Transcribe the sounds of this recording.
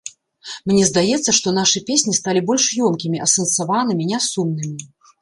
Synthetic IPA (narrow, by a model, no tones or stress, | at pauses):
mnʲɛzd̪ajɛt̪sːɐʂt̪ɔn̪aʂɨpʲesʲnʲist̪alʲibɔlʲʂjɔmkʲimʲiʔɐsɐnsavan̪ɨmʲinʲasumnɨmʲi